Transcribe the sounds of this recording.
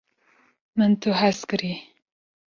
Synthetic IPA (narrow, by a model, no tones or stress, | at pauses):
mɨnt̪ʰuɦaskɨɾi